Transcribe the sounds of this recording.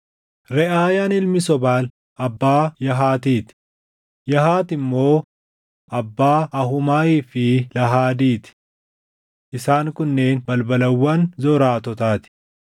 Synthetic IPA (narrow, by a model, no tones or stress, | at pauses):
ɾɛʔaːjaːnɪlmɪsɔbaːl | ʔɐbːaːjɐɦaːt̪iːt̪ɪ̥ | jɐɦaːt̪ɪmːo̞ː | ʔɐbːaːʔɐɦʊmaːiːfɪlɐɦaːd̪iːt̪ɪ̥ | ʔɪsaːŋkʊnːeːnbɐlbɐlɐwːɐnzɔɾaːt̪ɔt̪aːt̪ɪ̥